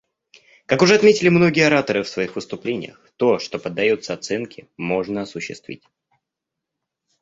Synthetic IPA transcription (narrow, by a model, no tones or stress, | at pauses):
kakʊʐɛɐt̪mʲetʲɪlʲɪmno̞ɡʲɪəɐɾat̪əɾɨfsvɐixvɨst̪ʊplʲenʲɪ̰jə̰xt̪o̞ʂt̪o̞pəd̪ːɐjo̞t̪səɐt̪sɛnkʲɪmo̞ʐnəɐsʊɕːɪ̰st̪vʲḭtʲ